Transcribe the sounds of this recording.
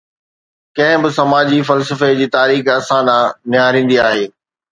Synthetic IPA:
kɐ̃ɦɪ̃bɪsɐmaːd͡ʑifɐlsəfed͡ʑiːt̪aːɾiːxɐsãnãːnɪjaːɾĩːn̆d̪iaːɦeː

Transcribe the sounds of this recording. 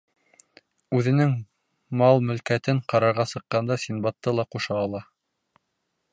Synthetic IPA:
ʉðɘ̆nɘŋ | mɑlˠmɵ̆lkæt̪ɘɴqɑɾɑɾʁɑsɤ̆qːɑnd̪ɑsʲinbɑt̪ːɤlˠɑquʃɑːlˠɑ

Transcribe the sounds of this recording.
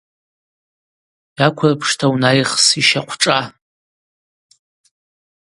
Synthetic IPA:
jakʷʰapʰʂtʰawnajχsiʃaqʷʰʈ͡ʂʼa

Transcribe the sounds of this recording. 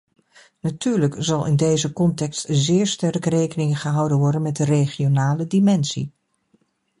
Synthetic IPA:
natyːɹləkzɑlˠɪ̰ndejzəkɔntɛkstzɪːɹstɛrkrejkənɪŋχəɦʌwdənʋɔɹdənmɛt̚dəreχionaːlədimɛnsḭ

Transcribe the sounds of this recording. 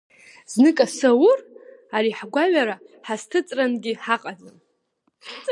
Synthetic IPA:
znɨkʼasawʊraɾiħɡʷaɥaɾaħastʰɨt͡sʼranɡʲɪħaqʼad͡zɨm

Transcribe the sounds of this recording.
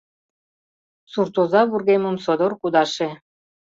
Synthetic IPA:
suɾt̪uzɑβuɾɣemunsod̪oɾkud̪ɑʃe

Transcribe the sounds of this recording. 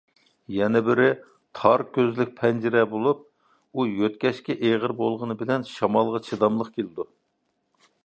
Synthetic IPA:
jɛnɛbɪɾɪ | t̪ʰɑɾkʲøzlɪk̚ʲpʰɛnd͡ʒiɾɛbolˠup̚ | ujøt̪̚kʲɛʃkʲɛʔeʁəɾbolˠʁənɨbɪlɛnʃɑmɑlˠʁɑt͡ʃʰid̪ɑmlˠəqkʲʰelɪd̪u

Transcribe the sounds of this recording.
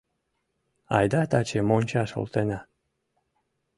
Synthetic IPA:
ɑjd̪ɑt̪ɑt͡ɕemonʲt͡ɕɑʃo̰lˠt̪enɑ

